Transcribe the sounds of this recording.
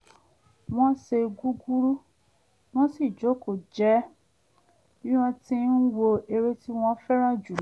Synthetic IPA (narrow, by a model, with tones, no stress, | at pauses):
w̃ɔ̃˦se˧ɡu˦ɡu˦ɾu˦ | w̃ɔ̃˦si˦˨d͡ʒo˨˦ko˨d͡ʒɛ˦ | ĩ˦w̃ã˧tĩ˦n̩˦wo˧e˧ɾe˧ti˦w̃ɔ̃˧˦fɛ˦ɾ̃ã˦d͡ʒu˨˦